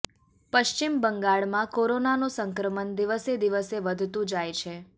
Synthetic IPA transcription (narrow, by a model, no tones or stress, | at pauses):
pəʃt͡ʃimbəŋɡaɭmãkoɾonanosəŋkɾəmənd̪iʋəsed̪iʋəseʋəd̪ʱt̪ũd͡ʒajt͡ʃʰe